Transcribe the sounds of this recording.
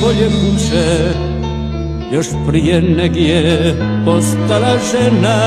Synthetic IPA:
oʎɛmuʃɛ | joʃpɾijɛnɛɡijɛ | post̪alaʒɛna

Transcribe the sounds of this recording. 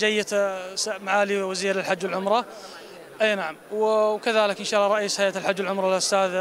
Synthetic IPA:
d͡ʒajːasmaʕaːliwaziːɾɪlħad͡ʒːwɪlʕʊmɾˤɑ | ʔeːnaʕamwkaðaːlɪkʔɪnʃaːʔlːɑɾˤɑʔiːshajaːt̪alħad͡ʒːwalʕʊmɾˤɑlʔʊst̪aːð

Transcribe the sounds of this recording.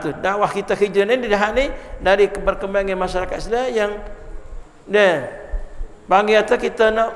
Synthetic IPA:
t̪udawahkit̪akid͡ʒanɪndidaɦanidaɾikəbərkəmbaŋanmaʃaɾakat̪̚sdlajaŋ | dɛ | paŋɡiat̪akit̪ana

